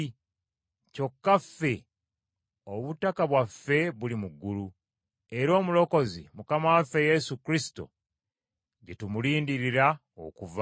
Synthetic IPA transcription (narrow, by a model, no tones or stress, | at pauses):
co̞kːafːe̞ | oβutːakaβwafːe̞βulimuɡːulu | e̞ɾo̞ːmulo̞ko̞zḭmukamawafe̞je̞sukɾisi̥to̞̰ | ɟetumuliːndiɾiɾa | o̰kuva